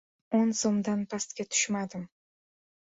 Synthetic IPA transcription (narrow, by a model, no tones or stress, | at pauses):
onsomd̪anpʰast̪kʲat̪ʰʊ̥ʃmad̪ɪm